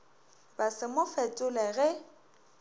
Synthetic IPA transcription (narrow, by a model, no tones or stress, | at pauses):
basɪmʊfɛtʼʊlɛɣɛ